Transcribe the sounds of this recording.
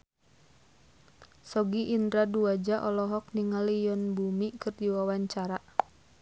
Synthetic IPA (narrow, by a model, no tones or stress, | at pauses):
sɔɡiʔːndɾaduad͡ʒaʔɔlɔɦɔk̚niŋalijɔnbumikɨrdiwawaɲt͡ʃaɾa